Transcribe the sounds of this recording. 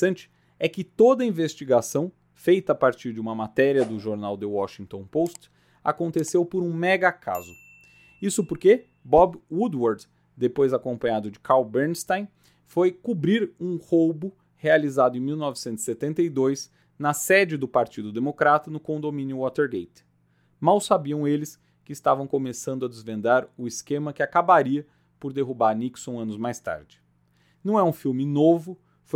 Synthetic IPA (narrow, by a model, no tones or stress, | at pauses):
ɐ̃nt͡ʃɪ̥ | ɛkɪt̪od̪ɐĩvest͡ʃiɡasɐ̃w̃ | fejt̪ɐːpaɾt͡ʃiɾd͡ʒɪũmɐmat̪ɛɾiɐd̪ʊʒoɾnawd̪ɪwɔʃĩŋt̪õpost͡ʃ | a̰kõnt̪esewpʊɾũmɛɡɐkʰa̰zʊ | isʊpoɾke | bɔbwud̪waɾd̪ | d̪epojzakõpɐ̃ɲad̪ʊd͡ʒɪkʰawbeɾnst̪ãj̃ | fojkubɾiɾũhowbʊ | healizad̪ʊẽj̃miwnɔvɪsẽnʊz̥ɪset̪ẽnt̪eid̪ojs | nɐsɛd͡ʒɪd̪ʊpaɾt͡ʃid̪ʊd̪emokɾat̪ɐnʊkõnd̪omĩnjʊwɔt̪eɾɡejt̪ | mawsabiɐ̃w̃elɪs | kɪːst̪avɐ̃w̃komesɐ̃nd̪ʊɐd̪ɪzvẽnd̪aɾʊɪskẽmɐkɪakabaɾiɐ | poɾd̪eɦubaɾniksõɐ̃nʊzmajst̪a̰ɾd͡ʒɪ̥ | nɐ̃w̃ɛũfiwmɪnovʊ | f